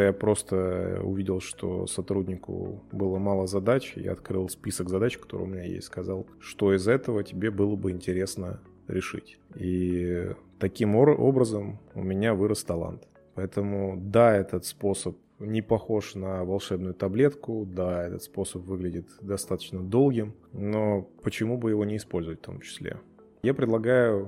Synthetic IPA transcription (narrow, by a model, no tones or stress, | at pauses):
japɾo̞st̪əʊ̰vʲidʲɪlˠʂt̪o̰sɐt̪ɾudʲnʲɪkʊ̰bɨlˠəmalˠəzɐd̪at͡ɕja̰ɐ̰t̪kɾɨlˠspʲisəkzɐd̪at͡ɕkɐ̥t̪o̞ɾʊ̰jʊmʲɪnʲajḛsʲskɐzɑlˠʂt̪o̞ɪzɛt̪əvətʲɪbʲe̞bɨlˠəbɨɪnʲtʲɪɾʲe̞snə | ɾʲʔɪʂɨ̰tʲ | i | t̪ɐkʲimo̞̰bɾəzəmʊ̰mʲɪnʲavɨɾəst̪ɐlˠa̰nt̪ | pɐɛt̪əmʊd̪aɛt̪ət̪spo̞səp̚ | nʲɪpɐxo̞ʂnəvɐlˠʂɛbnʊjʊt̪ɐblʲe̞t̪kʊd̪aɛt̪ə̰t̪spo̞səpvɨɡlʲɪdʲɪt̪d̪ɐst̪at̪ə̥t͡ɕnəd̪o̞lˠɡʲɪm | no̞pət͡ɕɪmubɨjɪvo̞nʲɪːspo̞lʲzʊvətʲft̪omt͡ɕɪ̥sʲlʲḛ | japɾʲɪd̪lˠɐɡajʊ